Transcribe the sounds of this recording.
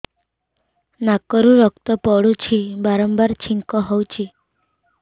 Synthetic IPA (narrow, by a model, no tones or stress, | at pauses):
nakɔɾũɾɔkt̪ɔpɔɽut͡ʃʰibaɾɔmbaɾt͡ʃʰiŋkɔɦɔwt͡ʃʰi